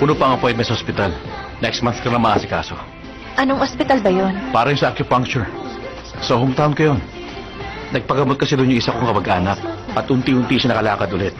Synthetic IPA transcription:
pʊnopɐŋɐpɛj̪mɛsɐhospɪt̪al | nɛkst̪manθkɐnɐmɐʔaːsɪka̰ːso̞̰ | ʔɐnoŋʔospɪt̪albɐjonpaːɾɐjʊnsɐʔakjʊpaŋkt͡ʃʊɹ | sɐɦomt̪awnkɐjo̞n | nɐɡ̚pɐɡɐmot̪̚kɐsɛd̪oʔnjʊŋʔɪsakoŋkɐmɐɡʔaːnɐk̚ʔɐt̪ʔʊnt̪iʔʊnt̪iʃɐnɐkɐlaːkɐd̪ʔʊlɛt̪̚

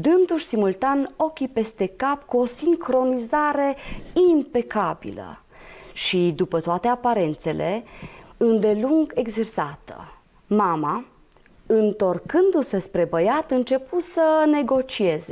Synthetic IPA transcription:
d̪ɨnd̪uʃʲsimult̪ano̞kʲipe̞st̪e̞kapkuo̞siŋkɾo̞nizaɾe̞impe̞kabḭlə̰ | ʃid̪upət̪oat̪e̞apaɾe̞nt̪se̞lʔe̞ | ɨnd̪e̞luŋɡe̞ɡzersat̪ə̰ | mama | ɨnt̪o̞rkɨnd̪use̞spɾe̞bəjat̪ɨnt͡ʃe̞pusəne̞ɡo̞t͡ʃie̞ze̞

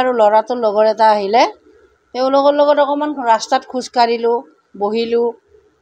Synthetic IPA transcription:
aɹulɔɹatʊlɔɡɔɹɛtaːɦilɛ | teʊ̃loɡɔlɔɡɔtɔkɔmanɹastatkʰuzkaɹilʊ | boɦilʊ

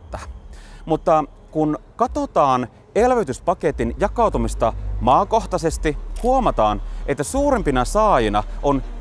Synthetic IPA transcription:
t̪ːɑmut̪ːɑ | kunkɑt̪ot̪ɑːn | elʋet̪yspɑket̪injɑkɑˑut̪umist̪ɑmɑːko̞ht̪ɑsest̪ihuomɑt̪ɑːnʔet̪ːæsuːɾempinɑsɑːjinɑ | ʔon

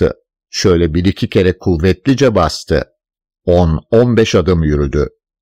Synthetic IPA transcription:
ɯ̰ | ʃø̞jlʲɛbiɾicʰicʰe̞ɾɛkʰuvɛt̪lʲid͡ʒɛbast̪ʰɯ̰ | ononbɛʃad̪ɯmjyɾyd̪y̰

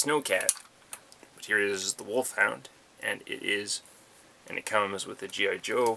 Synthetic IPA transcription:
snoʊkʰæ̰t̚ | b̥ʌt̚hiɹɨzɨzðəwʊlˠfhãʊ̃nd | ʔɨ̃nɪ̰ɾʔɪz | ʔɨ̃nʔɨ̰t̚kʰʌ̃mzwɨðɨd͡ʒiaɪd͡ʒoʊ

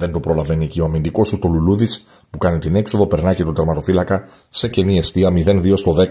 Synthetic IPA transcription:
ðe̞nt̪o̞pɾo̞lɐve̞niecio̞ɐmind̪iko̞sut̪o̞luluðis | pukɐnit̪ine̞kso̞ðo̞pe̞ɾnɐce̞t̪od̪ɐɾmɐt̪o̞filɐkɐ | se̞ce̞nie̞st̪iɐmiðe̞nðio̞st̪o̞ðe̞

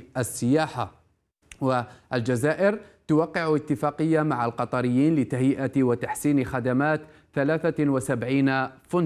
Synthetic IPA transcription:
ʔasːɪjaːħa | waʔald͡ʒazaːʔɪɾt̪ʊwɑqːɪʕʊɪt̪ːɪfaːqɪjːamaʕalqɑt̪ˤɑɾɪjːiːnlɪt̪aɦjɪʔat̪wat̪aħsiːnxad̪amaːt̪ | θalaːθawasabʕiːnafʊn

